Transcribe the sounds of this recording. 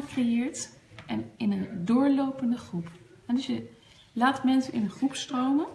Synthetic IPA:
krejɪːɹt | ʔɛnɪnəndʊːɹlowpəndəχrupɦɛdɵsjə | laːtmɛnsənʔɪ̰nənχrupstrowmən

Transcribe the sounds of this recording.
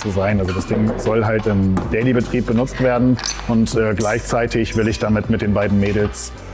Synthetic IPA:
t͡suzaɪnʔalzodasd̥ɪŋz̥ɔlɦaltɪmd̥ɛɪlibətʁ̥iːp̚b̥ənʊt͡stv̥eːɐdn̩ʔʊntʔɛːɡlaɪçt͡saɪtʰɪçv̥ɪlɪçd̥amɪtmɪt̚d̥eːnbaɪdn̩meːdl̩s

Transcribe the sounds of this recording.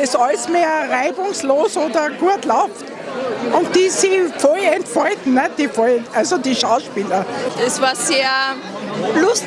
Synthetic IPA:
ɛsɑlsmeːɐʁaɪbʊŋsloːsoːdɐɡ̥uɐtlaʊft | ʔʊnt̚d̥iːsiːfɔlɛntfɔɪtn̩nɛt̚d̥ifɔɪntʔalzodiːʃaʊʃpiːlɐ̥ɛsvaːɐseːɐ | lʊst

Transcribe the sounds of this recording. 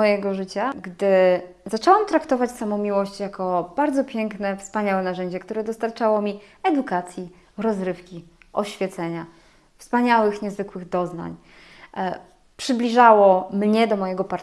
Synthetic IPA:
ɔjɛɡɔʐɘt͡ɕaɡd̪ɘ | zat͡ʂɛwamt̪ɾakt̪ɔvat͡ɕsamɔ̃w̃mʲiwɔɕt͡ɕjakʰɔb̥aɾd̪zɔpʲjɛŋknɛfspaɲawɛnaʐɛɲd͡ʑɛkt̪uɾɛd̪ɔst̪aɾt͡ʂawɔmʲiɛd̪ukat̪sʲji | ɾɔzɾɘfkʲiʔɔɕfʲjɛt̪sɛɲa | fspaɲawɘxɲɛzvɘkwɘɣd̪ɔzna̰ɲ | pʂɘblʲiʐawɔmɲɛd̪ɔmɔjɛɡɔpaɾ

